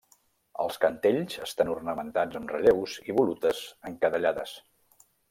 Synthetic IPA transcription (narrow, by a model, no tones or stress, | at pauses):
ə̰lˠskənt̪eʎzəst̪anurnəmənt̪ad͡zəmrəʎewziβulut̪əzəŋkəðəʎaðə̰s